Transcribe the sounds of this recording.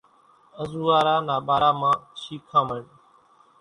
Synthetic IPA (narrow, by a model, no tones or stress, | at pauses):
əzuːʋaːɾaːnaːɓaːɾaːmãːʃiːkʰãːməɳ